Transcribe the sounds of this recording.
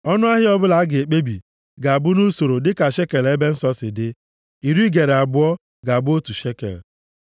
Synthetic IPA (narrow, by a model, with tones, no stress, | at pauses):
ɔ˦nʊ˦a˦ɦɪ˦ɔ˦bʊ˦la˨˦ɡɪ˨e˨k͡pe˦bi˨ | ɡa˨a˨bʊ˦nu˦so˨ɾo˨dɪ˦ka˨ʃe˦ke˨le˦be˦n̩˦sɔ˦sɪ˨dɪ˦ | i˨ɾi˦ɡe˨ɾe˨a˨bʊ˦ɔ˦ | ɡa˨bʊ˦o˦tu˨ʃe˦kḛ˨l